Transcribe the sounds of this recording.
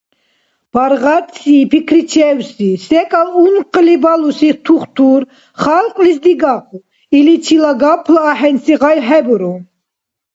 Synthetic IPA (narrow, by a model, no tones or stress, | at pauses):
b̥aɾʁat̪sipʰikʰɾit͡ʃʰɛwsisɛkʼalunqʼlibalusit̪ʰuχt̪ʰuɾ | χalqʼlis̬d̪iɡaqu | ilit͡ʃʰilaɡapʰlaːħɛnsiʁajɦɛbɾu